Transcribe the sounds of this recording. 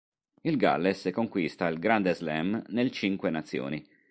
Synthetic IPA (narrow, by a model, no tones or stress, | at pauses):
ilɡa̰lːesɛkːoŋkwist̪ailɡɾand̪ezlɛmnelt͡ʃiŋkwenat̪sːjɔ̰ːni